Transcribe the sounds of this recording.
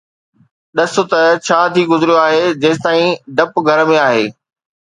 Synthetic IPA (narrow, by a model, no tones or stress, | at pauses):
ɗɐsʊt̪ɐt͡ɕʰaːt̪ʰiːɡʊzɪɾijoaːɦed͡ʑɐːst̪aːĩɖɐpɡʱɐɾmẽaːɦeː